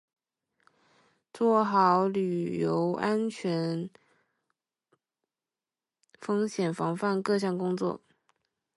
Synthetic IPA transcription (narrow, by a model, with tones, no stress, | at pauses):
t͡swɔ˥˩xɑ˧˥ʊly˨˩jo˧˥ʊʔa˥nt͡ɕʰɥɛ˧˥n | fɤ˥ŋɕjɛ˨˩nfɑ˧˥ŋfa˥˧nkɤ˥˧ɕ̬jɑ˥˩ŋkʊ˥ŋt͡swɔ̰˥˩